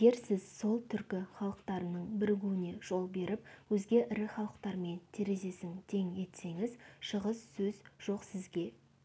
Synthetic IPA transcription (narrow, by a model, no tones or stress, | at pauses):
ɡʲeɾsɪzso̞lˠt̪ʰʏɾkʲɪχɑlˠəqt̪ɑɾənəɴbɪɾɪɡʲuwɪne̞ʒ̥o̞lˠbe̞ɾɪp̚wɵzɡʲe̞ʔɪɾɪχɑlˠəqt̪ɑɾme̞nt̪ʰe̞ɾe̞ze̞sɪŋt̪ʰe̞ŋe̞t̪se̞ŋɪzʃəʁəz̥sɵzʒ̥o̞qsɪzɡʲe̞